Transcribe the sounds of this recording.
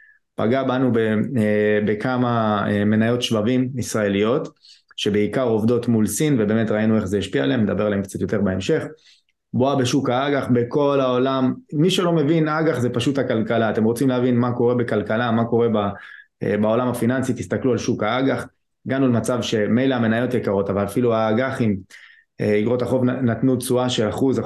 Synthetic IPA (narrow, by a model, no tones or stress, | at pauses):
pa̰ɡabanube | bekamaeme̞najo̞tʃvavimisʁae̞lijo̞t | ʃe̞beikaʁo̞vd̪o̞tmulsinvebe̞ːme̞t̪ʁainue̞χzeiʃpialeemned̪abe̞ʁalaemkt͡sat̪jo̞t̪e̞ʁbeemʃe̞χ | boabe̞ʃukaaɡaχbeko̞lao̞lamːiʃelo̞me̞vinaɡaχzepaʃuthakalkalaːte̞mʁo̞t͡simleavinmako̞ʁe̞be̞kalkalamako̞ʁe̞ba | bao̞lamhafinansit̪ist̪aklualʃukaaɡaχ | ɡanulmat͡savʃe̞mejleame̞najo̞t̪jekaʁo̞tavalafiluaːɡaχim | iɡʁo̞taχo̞vnatnut͡suaʃe̞laχuza